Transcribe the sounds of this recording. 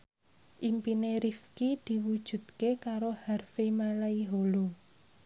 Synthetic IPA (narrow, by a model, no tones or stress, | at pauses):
ʔimpineɾifkid̪̥i̤wud̥ʒ̥ṳt̪̚kekaɾoharfimalaiɦolo